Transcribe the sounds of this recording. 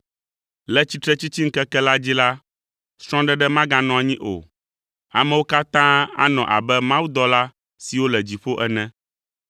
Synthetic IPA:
lɛ˦t͡ɕi˦t̪ɾɛ˦t͡ɕi˦t͡ɕi˦ŋ̩˦kɛ˦kɛ˦la˦d͡ʑi˦la˦ | sɾ̃ɔ̃˦ɖɛ˦ɖɛ˦mã˦ɡã˦nɔ̃˨a˨ɲĩ˦ʔo̰˨ | a̰˨mɛ̃˨wo˦ka˦t̪ã˦a̰˦nɔ̰̃˨ʔa̰˨bɛ˦mã˦wu˦d̪ɔ˦la˦ | si˨wo˦lɛ˨d͡ʑi˨ɸo˦ʔɛ˦nɛ̃˦

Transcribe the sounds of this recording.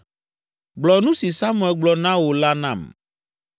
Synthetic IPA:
ɡ͡blɔ˨nũ˦si˨sa˦mũ˦ɛ˨lɡ͡blɔ˨nã˦wo˨la˦nã˨m

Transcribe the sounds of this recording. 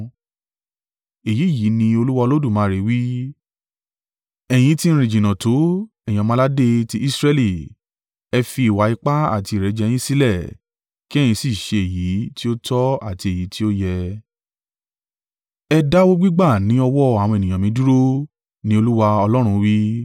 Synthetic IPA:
e˨ji˨˦˨ji˨˦nĩ˧o˧lu˦wa˧o˧lo˦du˦˨mãː˨˦ɾe˨˧˦wi˦ | ɛ˨j̃ĩ˨˦ti˦n̩˦ɾ̃ĩ˨d͡ʒĩ˨nã˨to˨˦ɛ̃˨˧mã˦la˦de˧ti˦ʔi˦sɾɛ˧li˦˨ | ɛ˧fi˧˦i˨wa˨˦i˧k͡pa˦a̰˦˨ti˧˨ɾɛ˨˧˦d͡ʒɛ˧j̃ĩ˦si˦lɛ˦˨ | ki˦ɛ̃˦˨ĩ˧si˦˨ʃe˧e˨ji˨˦ti˦o˦tɔ˦a˦˨ti˧e˨ji˨˦ti˦o˦jɛ˧ | ɛ˧da˦wo˦ɡ͡bi˦ɡ͡ba˦˨nĩ˨˦ɔ˧wɔ˦a˨w̃e˨ĩ˨jã˨mĩ˨˦du˦ɾo˦ | nĩ˦o˧lu˦wa˧ɔ˧lɔ˦ɾ̃ũ˧wi˦

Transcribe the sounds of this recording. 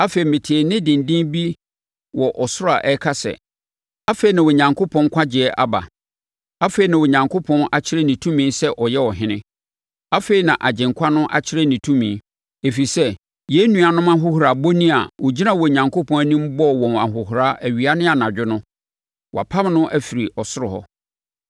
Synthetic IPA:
a˦fe˨i˨mɪ̃˨tʰi˨e˨nɪ̃˦dɪ̃˨n˨dɪ̃˦nbi˦ | wɔ˨ʔɔ˨sʊ˦ɾa˨ʔɛ˦kʰa˦sɛ̰˨ | a˦fe˨i˨nã˨wɔ˨ɲã˨ŋkʰo˦pʰɔ̃˦ŋ˦kʷʰa˦d͡ʑɪ˨ɛ˦ʔa̰˦ba̰˨ | a˦fe˨i˨nã˨wɔ˨ɲã˨ŋkʰo˦pʰɔ̃˦na˨t͡ɕʰɪ˦ɾɛ˦nĩ˨tʰũ˦mĩː˦sɛ˦ʔɔ˨jɛ˦ɔ˨ɦɪ̃˦nɪ̰̃˦ | a˦fe˨i˨nã˨ʔa˨d͡ʑɪ̃˨ŋkʷʰa˦nʊ̃˦ʔa̰˦t͡ɕʰɪ˦ɾɛ˦nĩ˨tʰũ˦mĩː˨˦ | e˨fi˨sɛ˦ | jɛ˦nũ˨a˨nʊ̃˦mã˦ɦʊ˦hu˨ɾa˨bo˦nĩ˦a̰˨wɔ˨d͡ʑi˦nã˨wɔ˨ɲã˨ŋkʰo˦pʰɔ̃˦n˦nĩ˦m˦bɔ˦˨wɔ̃˨na̰˨ɦʊ˨ɦu˨ɾa˦ʔæ˨ɥi˨a˦nɪ̃˦a˨nã˨d͡ʑᶣɪ˦nʊ̃˦ | wɔ˨a˨pʰa˦m˦nʊ̃˦ʔæ˦fi˨ɾi˨ɔ˨sʊ˦ɾʊ˨hɔ̰˦

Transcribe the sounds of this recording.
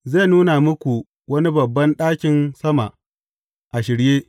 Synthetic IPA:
za˦˨nuː˦na˨mʊ˦kʷu˨ | wɐ˦ni˦bɐ˨bːɐ˦nɗaː˦kʲɪ˨nsɐ˦ma˨ʔ | ʔa˨ʃɪ˨ɾjeː˦

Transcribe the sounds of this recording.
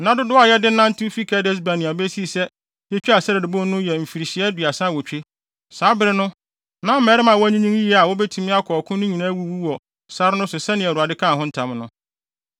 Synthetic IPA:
nã˦dʊ˦dʊ˦a˨jɛ˦dɪ˦nã˦n̩˦tʰi˦fi˦kʰa˨˦dɛ˦s̬ba˨nɪ̃˨a˨bɛ˦si˦˨sɛ˦ | jɛ˦t͡ɕᶣi˦a˨sɛ˦ɾɪ˨dʊ˨bʊ̃˦nʊ̃˦jɛ˨m̩˨fi˨ɾi˨ɕi˨ɛ˦dɥa˨sã˦wo˨t͡ɕᶣe˦ | saː˨˦bɪ˦ɾɪ˦nʊ̃˦ | nã˦m̩˦mɛ˨˦ɾɪ˦mã˨wɔ˦æ˦ɲĩ˦ɲũ˦ŋi˦ɛ˦a˨wo˦bɛ˦tʰu˦mɪ̃˦a˦kʰɔ˨ɔ˨kʰʊ̃˦nʊ̃˦ɲĩ˨nã˦wu˦wu˦wɔ˨ | sa˦ɾɪ˦nʊ̃˦sʊ˨sɛ˦nɪ̃˨ɛ˨ɾa˨dɪ˦kʰã˦˨hʊ̃˦n̩˦tʰã˨mnʊ̃˦

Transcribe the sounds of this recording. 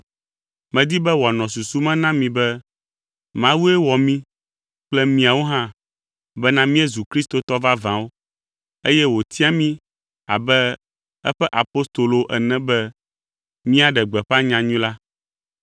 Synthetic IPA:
mɛ̃˨d̪i˦bɛ˦wa˨nɔ̃˨su˨su˦mɛ̃˦nã˦mĩ˨bɛ˦ | mã˦wu˦ɛ˦wɔ˨mĩ˦ | k͡plɛ˦mĩ˨˦a˨wo˦ɦã˦ | bɛ˦nã˦mĩ˦ɛ˦zu˨kɾi˦st̪o˨t̪ɔ˦va˦vã˨wo˦ | e˦jɛ˦wo˨t̪ʰi˦a˦mĩ˦ | a̰˨bɛ˦ | ɛ̰˦ɸɛ˦ʔa˨po˦st̪o˨lo˨ʔɛ˨nɛ̃˦bɛ˦ | mĩ˦a˨ɖɛ˨ɡ͡bɛ˨ɸa˦ɲã˨ɲũ˦la˦

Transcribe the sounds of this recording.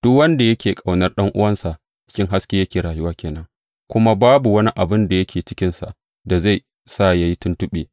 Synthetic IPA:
d̥ʊ˦kwɐ˦nda˨jɐ˦kʲʰeː˨kʼa˨wnɐ˦rɗɐ˦ŋʔʊ̰˦wɐ˦nsa˨ʔ | t͡ʃɪ̥˦kʲɪ˦ŋɦa˦skʲeː˦jɐ˦kʲeː˨ɾaː˨jʊ˦waː˦kʲeː˨nɐ˦ŋ | kʷʊ˦ma˦baː˦bu˨wɐ˦ni˦ʔa˨bɪ˦nda˨jɐ˦kʲeː˨t͡ʃɪ̥˦kʲɪ˦nsa̰˨ʔ | da˨za˦˨ | sa˦˨ja˦ji˦tʊ˦ntʊ˦ɓeː˨

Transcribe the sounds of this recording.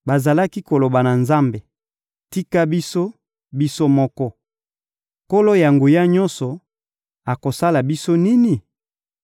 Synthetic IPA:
ba˨za˨la˦ki˦ko˨lo˨ba˨na˨nza˦mbe˨ | ti˦ka˦bi˦so˦ | bi˦so˦mɔ˦kɔ˦ | ko˦lo˦ja˨ŋɡu˨ja˦ɲɔ̃˦nsɔ˨ | a˨ko˨sa˦la˨bi˦so˦ni˦ni˨

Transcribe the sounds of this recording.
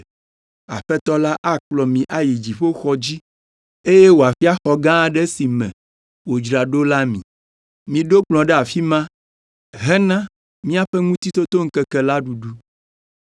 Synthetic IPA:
a˨ɸɛ˦t̪ɔ˦la˦ʔa˦k͡plɔ˨mĩ˨ʔa˨ji˨d͡ʑi˨ɸo˦xɔ˦d͡ʑi˦ | e˦je˦wo˨a˨fi˦a˦xɔ˨ɡã˦ɖɛ˦si˨mɛ̰̃˨ | wo˨d͡ʒɾa˨ɖo˦la˦mĩ˨ | mĩ˨ɖo˦k͡plɔ̃˨ɖɛ˦a˨fi˦mã˦ | ɦɛ˦nã˦ | mĩ˦a˨ɸɛ˦ŋũ˦t̪i˦t̪o˦t̪o˦ŋ̩˦kɛ˦kɛ˨la˦ɖu˨ɖu˦

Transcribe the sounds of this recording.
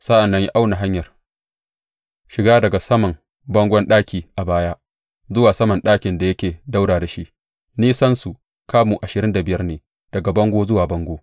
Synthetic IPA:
sa˦ʔa˨nːɐ˦ɲji˦ʔa˦wna˨ɦa˦ɲjɐ˨r | ʃɪ˨ɡaː˦dɐ˨ɡa˨sɐ˦mɐ˨ŋ | bɐ˦ŋɡʷɔ˦nɗaː˦kʲiː˨ʔa˨baː˦jaː˦ | zʊ˦waː˨sɐ˦mɐ˨nɗaː˦kʲɪ˨nda˨jɐ˦kʲeː˨da˦wɽaː˨da˨ʃi˦ʔ | niː˦sɐ˦nsu˨ | kaː˦muː˨ʔa˨ʃɪ˨ɾɪ˦nda˨bɪ˦jɐ˦rneː˨ | d̥ɐ˨ɡa˨bɐ˦ŋɡʷoː˦zʊ˦waː˨bɐ˦ŋɡʷoː˦

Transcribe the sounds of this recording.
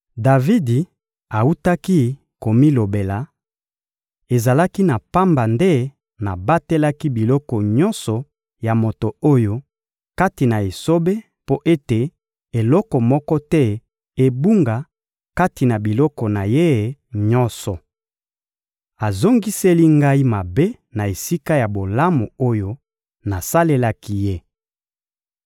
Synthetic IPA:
da˨vi˦di˨ | a˨u˦ta˦ki˦ | ko˨mi˦lo˨be˨la˨ | e˨za˨la˦ki˦na˨pa˦mba˨nde˦ | na˨ba˦te˦la˦ki˦bi˨lɔ˦kɔ˨ɲɔ̃˦nsɔ˨ | ja˨mo˨to˨o˦jo˦ | ka˦ti˨na˨e˨so˦be˦ | po˦ʔe˦te˨ | e˨lɔ˦kɔ˨mɔ˦kɔ˦tɛ˦ | e˦bu˦ŋɡa˨ | ka˦ti˨na˨bi˨lɔ˦kɔ˨na˨je˦˨ɲɔ˦nsɔ˨ | a˨zo˦ŋɡi˦se˦li˦ŋɡa˦i˦ma˨be˦ | na˨e˨si˦ka˦ja˨bo˨la˦mo˨o˦jo˦ | na˨sa˦le˦la˦ki˦je˦

